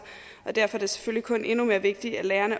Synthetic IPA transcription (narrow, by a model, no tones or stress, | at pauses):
ʔɒ̽d̥æɐ̰fɒæd̥e̝se̥føl̰likʰɔ̽nʔe̝nume̝ːɐʋe̝ɡ̥̚d̥iælæːɐnə